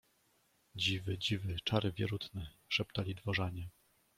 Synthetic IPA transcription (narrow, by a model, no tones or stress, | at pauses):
d͡ʑivɘd͡ʑivɘt͡ʂaɾɘvʲjɛɾut̪nɘʂɛpt̪alʲid̪vɔʐaɲɛ